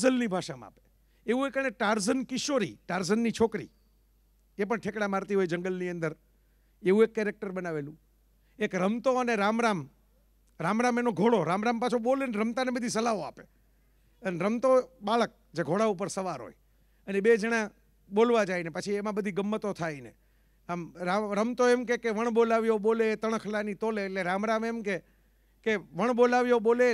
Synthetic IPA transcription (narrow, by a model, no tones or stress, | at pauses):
zəlnibʱaʃamã̰a̰pe̥ | eʋũekəneʈaɾzənkɪʃoɾḭʈaɾzənːit͡ʃʰokɾḭ | epəɳʈʰekɽamaɾt̪iɦojd͡ʒəŋɡəlniənd̪əɾ | eũekːɛɾek̚ʈəɾbənaʋelũ | ekɾəmt̪oəneɾamɾam | ɾamɾãmenoɡʱoɽoɾamɾãmpat͡ʃʰoɓoleneɾəmt̪anebəd̪ʱisəlaoape | ənɾəmt̪oɓaɭək̚d͡ʒeɡʱoɽaupəɾsəʋaɾɦo̰j | əneɓed͡ʒəɽ̃ã | ɓolʋad͡ʒainepət͡ʃʰiemãbəd̪ʱiɡəmːət̪ot̪ʰaine | amɾaɾəmt̪oemkekeʋəɳ̃ɓolaʋjoɓolet̪əɳ̃kʰlanit̪oleːʈleɾãmɾamemke | keʋəɳ̃ɓolaʋjoɓole